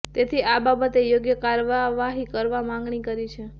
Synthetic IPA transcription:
t̪et̪ʰiʔababət̪ejoɡjəkaɾʋaʋaɦikəɾʋamãŋ̆ɡɳikəɾit͡ʃʰe

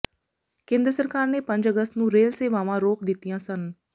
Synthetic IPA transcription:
kẽːnd̪ɾəsəɾkaːɾneːpə̃ɲd͡ʒəɡəst̪nũːɾeːlseːʋãːʋãːɾoːkd̪ɪt̪ːijãːsən

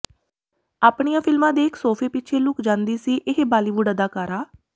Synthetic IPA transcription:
aːpɳijãːpʰɪlmãːd̪eːɪksoːpʰeːpɪtːt͡ʃʰeːlʊkd͡ʒãːnd̪iːsiːʔɪɦbaːliːʋuɖəd̪aːkaːɾaː

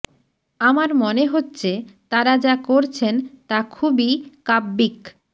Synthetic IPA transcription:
amaɾmoneɦotːɕʰet̪aɾad͡ʑakoɾt͡ɕʰent̪akʰubikabːik

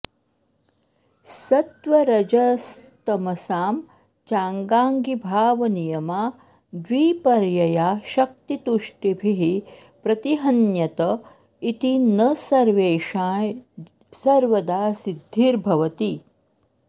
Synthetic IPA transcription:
sɐt̪ʋɐɾɐd͡ʒɐst̪ɐmɐsaːm | t͡ʃaːŋɡaːŋɡibʱaːʋɐnijɐmaː | d̪ʋiːpɐɾjɐjaːʃɐk̚t̪it̪uʂʈibʱiɦi | pɾɐt̪iɦɐnjɐt̪ɐ | it̪inɐsɐɾʋeːʃaːj | sɐɾʋɐd̪aːsid̪ʱːiːɾbʱɐʋɐt̪i

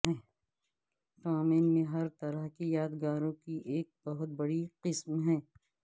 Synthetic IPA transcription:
ɦɛ̃ː | ʈaːmeːnmẽɦɐɾt̪ɐɾəɦkijaːd̪ɡaːɾõkiʔeːk̚bɐɦʊt̪̚bɐɽiqɪsmɦɛ̃ː

